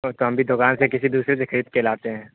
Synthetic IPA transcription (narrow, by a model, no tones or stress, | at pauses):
ot̪oɦɐmbʱid̪ʱʊkaːnsekɪsid̪uːsɾesekʰɐɾiːt̪̚keːlaːt̪eɦɛ̃ː